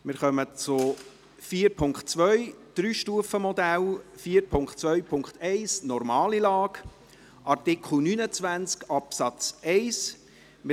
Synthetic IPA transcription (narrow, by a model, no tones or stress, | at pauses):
mɪɾχœmət͡sʊ | fiːɾpʰʊŋkχtt͡sʋœʏd̪̥ɾyːʃtuːəfəmɔd̪ælfiːəɾpʰʊŋktt͡sʋœɥpʰʊŋkχt̪ʰɛɪsnɔɾmɑːlilɑːɡ | ʔɑrtɪkʰχl̩nynət͡svænt͡skɑpsɑt͡sɛɪs | mɪ